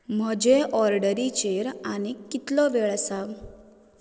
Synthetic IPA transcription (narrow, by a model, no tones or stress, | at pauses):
m̤əd͡ʑeʔɔɾɖəɾit͡ɕeɾaɽ̃ikːit̪lɔʋeɭsaʋ